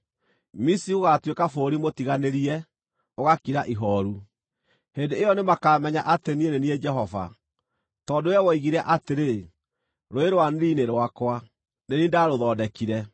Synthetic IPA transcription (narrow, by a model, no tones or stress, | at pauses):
misioɣatwekafoɾimotiɣaneɾiɛ | oɣakiɾaʔiɦɔɾu | heːndeːjɔnemakaːmɛɲaʔatenienenied͡ʒɛɦɔva̰ | tɔːdojɛwɔiɣiɾaʔateɾe | ɾoeɾowaneɾineɾwakwa | nenindaɾoðɔːdɛkiɾɛ